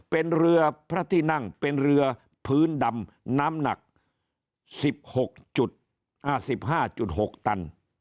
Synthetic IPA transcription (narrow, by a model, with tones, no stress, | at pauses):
pe˧nɾɯ˧ɐpʰɾa˦˥˩t̪ʰiː˥˩na˥˩ŋpe˧nɾɯ˧ɐ | pʰɯː˦˥nda˧m | naː˦˥mna̰˨˩k̚ | si˨˩p̚ho˨˩k̚t͡ɕu˨˩t̪̚ | ʔa˧˩si˨˩p̚ɦaː˥˩t͡ɕu˨˩t̪̚ho˨˩k̚t̪a˧n